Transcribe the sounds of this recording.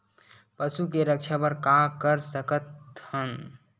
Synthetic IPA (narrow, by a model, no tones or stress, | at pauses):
pəsukeɾək̚t͡ʃʰapəɾkakəɾsəkət̪hən